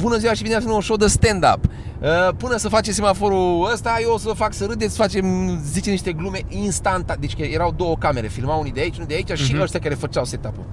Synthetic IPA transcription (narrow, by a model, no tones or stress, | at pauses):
bunəziwaʃibineafinonʃowd̪əst̪end̪a̰p | əpːɨnəsəfat͡ʃems̬ʲimafo̞ɾuəst̪ajeosəfaksəɾɨd̪esfat͡ʃe̞mzit͡ʃeniʃt̪e̞ɡlume̞inst̪ant̪ad̪et͡ʃʲkəje̞ɾawd̪o̞wokame̞ɾe̞filmawunid̪eait͡ʃunid̪eait͡ʃaʃiəʃt̪ʲakaɾe̞fət͡ʃawset̪apṵ